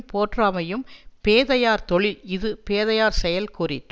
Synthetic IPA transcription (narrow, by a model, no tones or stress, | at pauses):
poːʈraːmɐjɯmpeːðɐjaːɾt̪ɔɭɪlɪðɯpeːðɐjaːɾsɛjɐlkuːɾɪ̰ʈː